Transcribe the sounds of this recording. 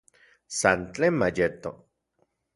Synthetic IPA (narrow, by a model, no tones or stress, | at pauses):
sant͡ɬemajet̪o